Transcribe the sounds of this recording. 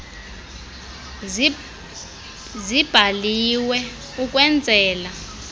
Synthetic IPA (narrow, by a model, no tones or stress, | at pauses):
zib̥ʱaliwɛ | ukʼwɛnd͡zʱɛːla